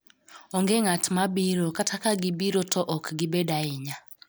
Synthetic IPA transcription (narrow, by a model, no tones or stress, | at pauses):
ɔŋɡeŋatmabiɾokatʰakaɡɪbiɾotʰɔʔɔkɡɪbedaɪɲa